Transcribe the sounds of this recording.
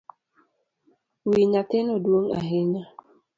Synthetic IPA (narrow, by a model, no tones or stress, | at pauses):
wiɲatɪnɔdwoŋa̰ɦɪɲa